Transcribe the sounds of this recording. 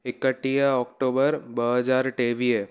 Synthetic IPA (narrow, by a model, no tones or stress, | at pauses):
ɪkəʈːijaɔkʈobəɾbəɦəd͡ʒaɾʈeʋie